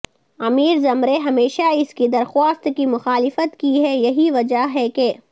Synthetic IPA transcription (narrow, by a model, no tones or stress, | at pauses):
ɐmiːɾzɐmɾeɦɐmeːʃaɪskid̪ɐɾxaːst̪kimʊxaːlɪfət̪kiɦɛjɐɦiʋɐd͡ʒaɦɛkeː